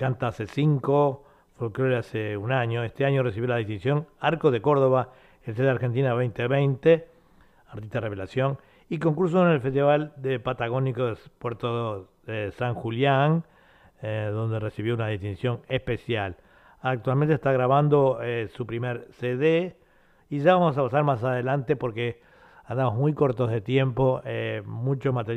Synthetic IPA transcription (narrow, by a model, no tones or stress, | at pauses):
kant̪aasesiŋko | fokɾoleaseunaɲoest̪eaɲores̬iβjolaðist̪insjoŋaɾkoðe̞ko̞ɾð̞o̞βa | els̬eðeaɾxent̪̬inaβejnt̪eβejnt̪e | aɾt̪ist̪aðereβelasjo̞n | iko̞ŋkuɾs̬oonelfest̪iβald̪epat̪aɣ̞o̞nikoðepweɾt̪o | esaŋxuljaŋ | eðo̞nd̪e̞resiβjounaðist̪insjo̞nespesjal | ak̚t̪walmẽnt̪est̪aɣɾaβand̪o̞esupɾimeɾseðe | iʒaβamos̬apasaɾmas̬aðe̞lant̪epo̞ɾke | and̪amozmujko̞ɾt̪o̞zðet̪je̞mpo̞emut͡ʃomat̪eɾ